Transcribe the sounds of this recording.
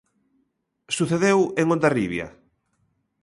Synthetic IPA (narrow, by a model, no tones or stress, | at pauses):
suθeðeweŋõnd̪ariβja̰